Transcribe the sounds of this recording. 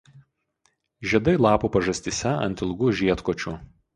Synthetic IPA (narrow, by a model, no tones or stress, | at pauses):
ʒʲiɛd̪ɐɪlˠɑːpuːpɐʒɐsʲt̪ʲisʲɛɐ̰nʲt̪ʲɪlˠɡʊʒʲiɛt̪koːt͡ʃʲu